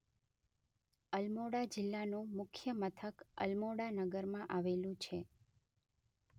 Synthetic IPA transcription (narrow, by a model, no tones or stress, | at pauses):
əlmoɽad͡ʒɪlːanũmʊkʰjəmət̪ʰəkə̰lmoɽanəɡəɾmãʔaʋelũt͡ʃʰe